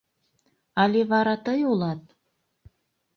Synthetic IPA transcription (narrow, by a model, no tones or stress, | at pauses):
ɑlʲeβɑɾɑt̪ɤjulˠɑt̪̚